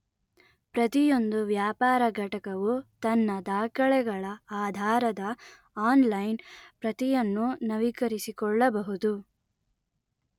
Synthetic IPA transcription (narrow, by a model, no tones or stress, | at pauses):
pɾɐt̪ijo̞nd̪uʋjaːpaːɾɐɡʱɐʈɐkɐʋut̪ɐnːɐd̪aːkɐɭɛɡɐɭɐaːd̪ʱaːɾɐd̪ɐ | aːnlɐjnpɾɐt̪ijɐnːunɐʋikɐɾisikɔɭːɐbɐɦud̪u